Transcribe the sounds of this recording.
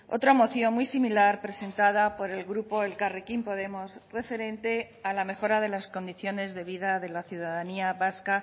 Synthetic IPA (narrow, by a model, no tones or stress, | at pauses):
o̞̰t̪ɾamo̞θjo̞nmwjsimilaɾpɾe̞se̞nt̪að̞apo̞ɾe̞lɣɾupo̞elkarekimpo̞ðe̞mo̞sre̞fe̞ɾe̞nt̪e̞ | alame̞xo̞ɾaðe̞lasko̞nd̪iθjo̞ne̞zðe̞β̞iðaðe̞laθjuðaðaniaβaska